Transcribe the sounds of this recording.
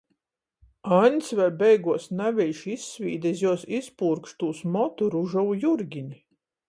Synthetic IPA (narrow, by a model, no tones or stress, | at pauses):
anʲt̪svɛjbɛjɡuɔsnævʲɛjʲʃisːvʲiːd̪ɛzʲjuɔsispuːɾkʃt̪uːsmɔt̪uɾuʒawujuɾɡʲiɲi